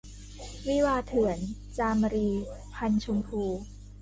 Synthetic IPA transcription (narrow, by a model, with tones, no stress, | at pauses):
wi˦˥˨waː˧t̪ʰɯ˨˩˦ənt͡ɕaː˧m˧ɾiː˧pʰa˧nt͡ɕʰu˧mkʰuː˧